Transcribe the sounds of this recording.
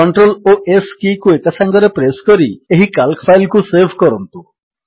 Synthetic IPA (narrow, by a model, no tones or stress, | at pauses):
ɔɳʈɾoloʔeskikuekasaŋɡɔɾepɾeskɔɾieɦikalkfʰajlkuseɾbʱkɔɾɔnt̪u